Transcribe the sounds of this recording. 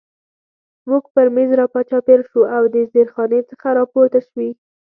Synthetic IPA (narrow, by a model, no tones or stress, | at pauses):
muɡpəɾmezɾɑpɑt͡ʃɑpeɾʃuawd̪əzeɾxɑnet͡səxaɾɑpoɾt̪aʃwi